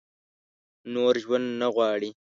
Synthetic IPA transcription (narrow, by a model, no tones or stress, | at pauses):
noɾʒwand̪naɣwɑːɽi